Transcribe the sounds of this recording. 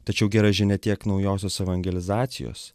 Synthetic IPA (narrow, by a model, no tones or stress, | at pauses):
t̪ɐt͡ʃʲɛʊɡʲɛɾɐʒʲɪnʲɛt̪ʲiɛknɒʊjoːsʲoːsɛʋɐŋʲɡʲɛlʲɪzɑːt̪sʲɪ̰jo̰ːs